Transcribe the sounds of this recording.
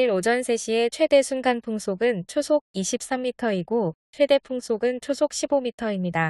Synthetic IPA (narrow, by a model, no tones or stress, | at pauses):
iɾod͡ʑʌnsʰe̞ɕʰie̞t͡ɕʰwe̞de̞sʰunɡanpʰoŋsʰoɡɯnt͡ɕʰosʰoɡ̚iɕʰip̚s͈amːitʰʌiɡot͡ɕʰwe̞de̞pʰoŋsʰoɡɯnt͡ɕʰosʰok̚ɕ͈ʰibomitʰʌimɲida